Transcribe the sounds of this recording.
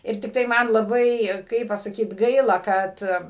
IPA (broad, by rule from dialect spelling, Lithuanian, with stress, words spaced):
ˈɪr tʲɪkˈtɐɪ ˈmɐn lˠɐˈbɐɪ ˈkɐɪp pɐsɐˈkʲiːt ˈɡɐɪlˠɐ ˈkɐt